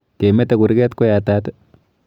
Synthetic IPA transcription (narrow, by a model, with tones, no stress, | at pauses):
ke˨me˦te˨ku˨ɾkɛ˦tko˦jatat